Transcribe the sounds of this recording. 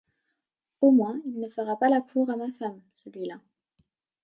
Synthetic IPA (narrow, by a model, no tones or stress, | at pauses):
omwɛ̃ilnəfəʁapalakʰuːʁamafamsəlɥila